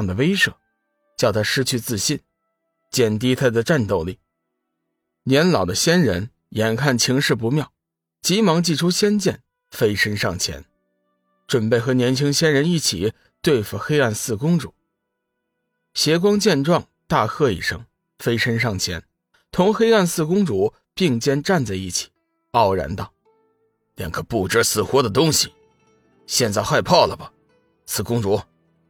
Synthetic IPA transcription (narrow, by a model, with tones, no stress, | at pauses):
ŋd̪ə˩we˥ɪʂɤ̰˨˩˦ | t͡ɕjɑ˥˩ʊt̪ʰa˥ʂɻ̩˥t͡ɕʰy˥˧t͡sɹ̩˥˩ɕi˥˩n | t͡ɕjɛ˥˨˩nt̪̬i˥t̪ʰa˥d̪ə˨ʈ͡ʂa˥˧nt̪o˥˧ʊli˥˩˦ | njɛ˧˥nlɑ˨˩ʊd̪ə˦ɕjɛ˥nɻə̰˧˥n | jɛ˨˥˩nkʰa˥˩nt͡ɕʰi˧˥ŋʂɻ̩˥˩p̬u˧˥mjɑ˥˩ʊ | t͡ɕi˧˥mɑ˧˥ŋt͡ɕi˥˩ʈ͡ʂʰu˥ɕjɛ˥nt͡ɕjɛ˥˩n | fe˥ɪʂə˥nʂɑ˥˩ŋt͡ɕʰjɛ̰˧˥n | ʈ͡ʂwə˨˩npe˥˩ɪxɤ˧˥njɛ˧˥nt͡ɕʰi˥ŋɕjɛ˥nɻə˧˥ni˥˩t͡ɕʰḭ˨˩ | t̪we˥˩ɪfu˨˩xe˥ɪa˥˧nsɹ̩˥˩kʊ˥ŋʈ͡ʂṵ˨˩˦ | ɕjɛ˧˥k̬wɑ˥ŋt͡ɕjɛ˥˧nʈ͡ʂwɑ˥˧ŋt̪a˥˧xɤ˥˧ḭ˨˩ʂɤ̰˥ŋ | fe˥ɪʂə˥nʂɑ˥˩ŋt͡ɕʰjɛ̰˧˥n | t̪ʰʊ˧˥ŋxe˥ɪa˥˧nsɹ̩˥˧kʊ˥ŋʈ͡ʂu˧˥ | pi˥˧ŋt͡ɕjɛ˥nʈ͡ʂa˥˧nt͡sa˥˧ɪi˥˩t͡ɕʰi̥˨˩˦ | ɑ˥˩ʊɻa̰˧˥nt̪ɑ˥˩ʊ | ljɛ̰˧˩nkʰɤ˧˩pu˥˩ʈ͡ʂə˥sɹ̩˥˩xwɔ˧˥d̪ə˨t̪ʊ˥ŋɕi˨ | ɕjɛ˥˧nt͡sa˥˧ɪxwa˥˧ɪpʰɑ˥˩ʊlə˩bɐ˩ | sɹ̩˥˩kʊ˥ŋʈ͡ʂu˧˥